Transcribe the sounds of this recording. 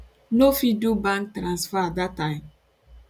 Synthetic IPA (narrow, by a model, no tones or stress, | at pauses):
nofidubãŋk̚tɾãnsfaadatːãɪ̃m